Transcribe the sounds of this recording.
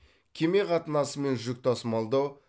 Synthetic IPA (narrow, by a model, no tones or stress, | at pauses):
kʲʰe̞me̞qʰɑt̪ənɑsəme̞nʒʏk̚ʲt̪ʰɑsmɑlˠd̪ɑw